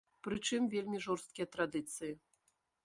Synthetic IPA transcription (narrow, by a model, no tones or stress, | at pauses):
pɾɨt͡ʂɨmvʲelʲmʲiʐɔrst̪̚kʲijɐt̪ɾad̪ɨt̪sɨji